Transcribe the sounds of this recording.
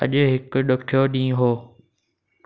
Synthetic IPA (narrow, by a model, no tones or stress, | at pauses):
əʄʊɦɪkʊɗʊʈʰjoːɗĩːɦoː